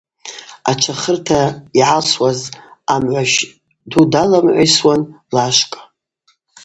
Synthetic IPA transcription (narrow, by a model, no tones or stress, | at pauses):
at͡ʃʷʰaχərtʰaiʕaswazamʕʷaʃ | dudalamʕʷajswanlaʃkʼa